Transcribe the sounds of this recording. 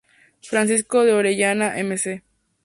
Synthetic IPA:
fɾansis̬koðeoɾejanaʔemese

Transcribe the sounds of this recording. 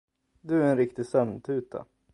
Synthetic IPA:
d̪ɵæɾɛnɾɪkt̪ɪsœmnt̪ʰʉ̟ːt̪ʰa̰

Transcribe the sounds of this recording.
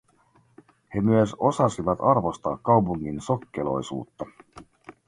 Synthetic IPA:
he̞myøso̞sɑsiʋɑt̪ɑrʋo̞st̪ɑ̰ːkːɑwpuŋːinsokːelo̞̰jsṵːt̪ːɑ

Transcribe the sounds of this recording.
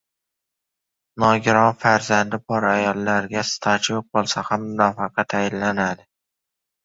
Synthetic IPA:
nɒɡʲɪɾɒnfaɾzand̪ɪbɒɾajɒlˠːaɾɡʲast̪ʰat͡ʃʰjoq̚bolˠsahamːʊnɒfɑqɑt̪ʰajɪnlanad̪ɪ

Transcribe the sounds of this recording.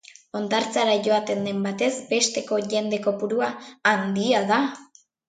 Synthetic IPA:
o̞nd̪aɾt͡saɾaʝo̞at̪e̞nd̪e̞mbat̪e̞zbe̞st̪e̞ko̞ʝe̞nd̪e̞ko̞puɾuaːnd̪iaða

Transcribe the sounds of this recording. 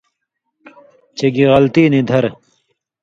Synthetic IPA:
t͡ɕeɡiɣɐlt̪iːnid̪ʱɐɾ

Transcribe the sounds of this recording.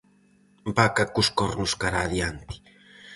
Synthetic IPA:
bakakuskɔɾnʊskaɾaðjant̪i̥

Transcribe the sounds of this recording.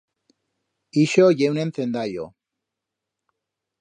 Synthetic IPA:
iʃoʝewnenθend̪aʎo̰

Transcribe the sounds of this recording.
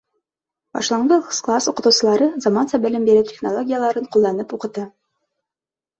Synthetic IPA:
bɒ̰ʃlˠɑɴɤsklˠasuqɤ̆t̪uwsʲɤ̆lˠɑɾɤzɐmansɑbɘ̆lɘmbiɾɘtʲe̥χnolˠoɡʲijəlˠɑɾɤɴqulˠːɑnɤpuqɤ̆t̪ɤ

